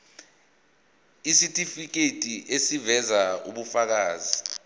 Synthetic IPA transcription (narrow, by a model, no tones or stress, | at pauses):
isitʼifik̬etʼiʔesivɛzaṵɓufak̬aːzi